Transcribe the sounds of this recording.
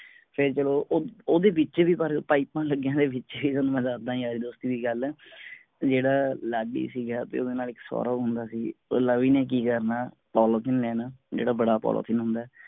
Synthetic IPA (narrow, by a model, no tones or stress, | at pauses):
pʰɪɾt͡ʃəloːʔoːd̪eːbɪt͡ʃʋiːpəɾpaːipːãːləɡjãːd̪eːbɪt͡ʃʋiːt̪oːnũmɛ̃ːzaːɾd̪ãːĩaːɾiːd̪oːst̪iːd̪iːɡəl | d͡ʒeːɽaːlaːɡḭːsiːɡaːt̪ḛːoːd̪eːnaːlɪksɔ̰ːɾaːɦʊnd̪aːsiːoləʋiːnẽːk̬iːkəɾnaː | pɔːloːt̪ʰɪnlɛːnaːd͡ʒḛːɽaːbəɽaːpɔ̰ːlo̰ːt̪ʰɪnɦʊ̃nd̪aːɛ